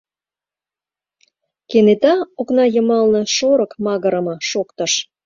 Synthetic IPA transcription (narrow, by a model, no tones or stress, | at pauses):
kenet̪ɑoknɑjə̆mɑlnɤ̆ʃoɾə̆kmɑɣəɾə̆mɤ̆ʃokt̪ə̆ʃ